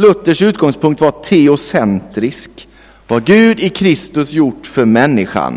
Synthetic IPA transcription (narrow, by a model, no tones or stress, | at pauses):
lɵt̪ːəʂʉ̟ːt̪̚ɡɔŋspʰɵŋk̚t̪vatʰɛʊsɛnt̪ɾɪsk | vaɾɡʉ̟ːd̪ɪkʰɾɪst̪ɵsjʊʈːfœɾmɛnːɪɧa̰n